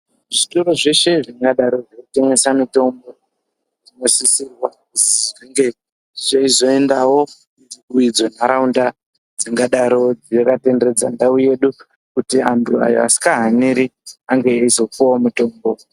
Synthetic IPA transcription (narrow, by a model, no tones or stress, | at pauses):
ʐito̞ɾo̞ʐe̞ʃe̞ʐiŋɡaɗaɾo̞ʐekute̞ŋe̞samito̞mbo̞ | ʐinosisirwa | usiʐiŋɡe | ʐaizo̞e̞ndawo̞ | uiuid͡zonaɾaunda | d͡ziŋɡaɗaɾo̞d͡zekate̞ndered͡za̰ndauje̞ɗu | kutiantʰua̰jo̰a̰si̥kaɦaniɾiaŋɡeeizo̞kuamuto̞ːmbo̞